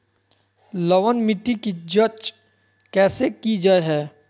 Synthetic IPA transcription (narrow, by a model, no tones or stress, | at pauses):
lɐʋənmɪʈːikid͡ʒət͡ʃ | kɛːsekid͡ʒaeɦɛː